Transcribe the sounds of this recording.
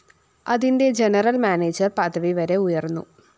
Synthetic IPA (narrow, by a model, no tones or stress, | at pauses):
ɐðinde̞d͡ʑenɐrɐlmaːneːd͡ʑɐrpɐd̪ʱɐʋiʋɐɾe̞ujɐrnːṵ